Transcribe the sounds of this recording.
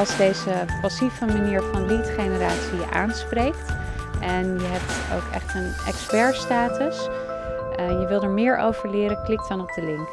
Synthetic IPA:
ɑlˠzdejzəpɑsivəmaniːɹvɑnlitχejnəɾaːtsiəʔa̰ːnsprejkt | ʔɛnjəɦɛp̚to̰wkʰɛ̰χtənʔɛ̰kspɛɹstaːtəs | jəʋɪlˠdəɹmɪːɹʔo̰wvəɹlɪːɾəklɪk̚tɑnɔb̚dəlɪŋk

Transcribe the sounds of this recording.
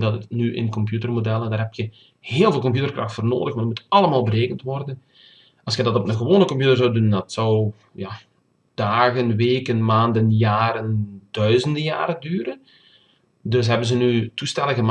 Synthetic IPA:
dɑtənyʔɪ̰nkɔmpjutərmodɛlˠəndaːɾɦɛptxə | heːlˠveːlˠkɔmpjutərkrɑxtfoːrno̰ːdəxmandtmutɑlˠəmaːlˠbəɾeːkəntʋɔrdən | ʔɑlˠsxədɑtɔpnəɣəʋoːnəkɔmp̬jutərzɔwdundɑtsɔw | ja | d̥aːɣənʋeːkənmaːndənjaːɾəndœɥzəndəja̰ːɾədyːɾən | dɵsɦɛbənzənytustɛləɣəm

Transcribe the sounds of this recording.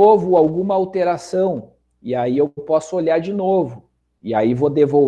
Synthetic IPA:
ovʊawɡũmɐawt̪eɾasɐ̃w̃ | ɪaiewpɔsʊoʎaɾd͡ʒinovʊ | ɪaivod̪evo

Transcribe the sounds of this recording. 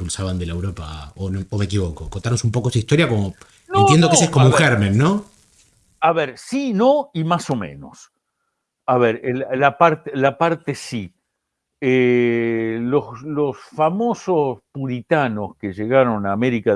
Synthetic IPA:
pulsaβand̪elaewɾopaonoːmek̬iβokokont̪aɾnosumpokosuist̪o̞ɾjakomo | noenjend̪okeseskomoũxɛɾmẽnːo | aβeɾsinoimaso̞mḛ̃no̞̰s | aβeɾellapaɾt̪elapaɾt̪esi | e | loslosfamo̞sospuɾit̪ano̞skeʒeɣaɾo̞naːme̞ɾika

